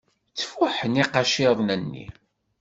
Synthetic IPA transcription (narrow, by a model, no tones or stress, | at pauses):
t͡sːfuħəniqɑʃiðˤnənːḭ